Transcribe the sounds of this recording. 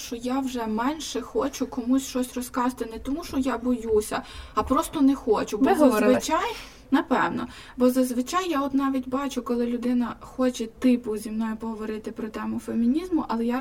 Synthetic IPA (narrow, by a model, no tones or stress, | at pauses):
ʃt͡ʃɔjawʒɛmɛnʲʃɛxɔt͡ʃʊkɔmusʲʃt͡ʃɔsʲrɔskɑʒt̪ɪnɛt̪ɔmuʃɔjabɔjusʲɐɐpɾɔst̪ɔnɛxɔt͡ʃʊbɔzɐzʋɪt͡ʃaj | nɐpɛwnɔ | bɔzɐzʋɪt͡ʃɑjːaɔt̪nɑʋʲitʲbɑt͡ʃʊkɔlˠɪlʲʊd̪ɪnɐxɔt͡ʃɛt̪ɪpʊzʲimnɔjʊpɔɦɔʋɔɾɪt̪ɪpɾɔt̪ɛmʊfemʲinʲizmʊʔɐlˠɛja